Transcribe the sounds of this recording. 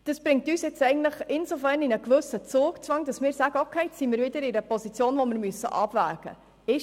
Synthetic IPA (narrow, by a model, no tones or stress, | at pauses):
d̥ɑsb̥ɾɪŋk̚tyːsjɛt͡sɛɪɡn̩tləχɪnsofærninəkʋʏsət͡suːkt͡sʋɑŋd̥ɑsmɪːɾsæɡəokʰeɪsimɪːɾvɪdəɾɪɾəpɔsit͡sjoːnʋomɪɾmyəsːə̰ʔɑb̥væ̰ːɡ̥ə̰ | ɪ